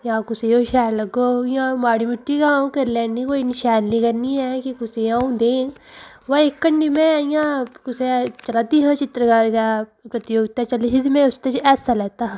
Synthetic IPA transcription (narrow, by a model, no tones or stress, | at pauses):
jãːkʊsejoʃɛːlɐɡoːjãːmaːɽimɪʈːikaũkeɾlɛːɳɖĩkoinʃɛːnlikɐɾniɛkikʊsejãũd̪ẽː | ʋaekːɐɳɖimẽjãkʊset͡ʃɐlat̪iɦãt͡ʃɪt̪ɾəkaːɾd̪apɾɐt̪ɪjoːɡt̪at͡ʃɐleɦɪd̪mẽʊst̪ed͡ʒɛːsalɛːt̪aɦ